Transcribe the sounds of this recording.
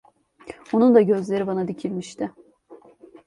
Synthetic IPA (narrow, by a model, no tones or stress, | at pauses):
onund̪aɟø̞zlʲe̞ɾibanad̪icʰilʲmiʃt̪ɪ